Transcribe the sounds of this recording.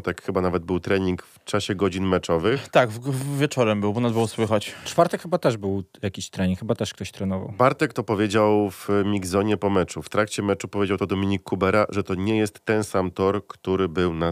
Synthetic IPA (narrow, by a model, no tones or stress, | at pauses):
t̪akxɘbanavɛd̪̚bɘwt̪ɾɛɲiŋkft͡ʂaɕɛɡɔd͡ʑinmɛt͡ʂɔvɘxt̪aɡvʲjɛt͡ʂɔɾɛmbɘwbɔnad̪bɛwɔswɘxat͡ɕt͡ʂfaɾt̪ɛkxɘbat̪ɛʐbɘwjakʲiɕt̪ɾɛɲiŋkxɘbat̪ɛʂk̚t̪ɔɕt̪ɾɛnɔva̰wbaɾt̪ɛkt̪ɔpɔvʲjed͡ʑawv̥mʲiɡzɔɲɛpɔmɛt͡ʂuft̪ɾakt͡ɕɛmɛt͡ʂupɔvʲjed͡ʑawt̪ɔd̪ɔmʲiɲikːubɛɾaʐɛt̪ɔɲɛjɛst̪ːɛnsamt̪ɔɾkt̪uɾɘbɘwna